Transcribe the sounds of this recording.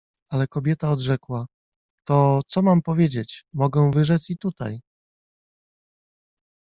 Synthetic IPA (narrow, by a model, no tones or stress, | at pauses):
alɛkɔbʲjɛt̪aɔd̪ʐɛkwa | t̪ɔt̪sɔmampɔvʲjed͡ʑet͡ɕmɔɡɛw̃vɘʐɛsit̪ut̪a̰j